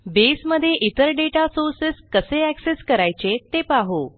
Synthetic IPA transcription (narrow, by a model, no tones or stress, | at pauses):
besməd̪ʱːjeʔit̪əɾɖeʈasoɾsiskəseækseskəɾajt͡ɕet̪epaɦo